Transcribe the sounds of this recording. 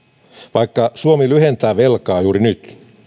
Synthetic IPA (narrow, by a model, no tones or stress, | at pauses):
ʋɑjkːɑsuomilyhent̪æːʋe̞lkɑːjuːɾinyt̪